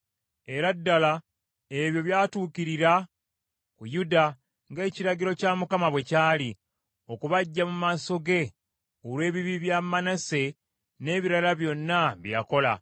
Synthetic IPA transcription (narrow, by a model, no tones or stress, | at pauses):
e̞ɾadːala | e̞βjo̞βjaːtuːciɾiɾa | kujuda | ŋɡe̞ːciɾaɟiɾo̞camukamaβwe̞caːli | o̞kuβaɟːamumaso̞ɡe̞ | olwe̞ːβiβiβjamanase̞ | ne̞ːβiɾalaβjo̞nːaβja̰ko̞la̰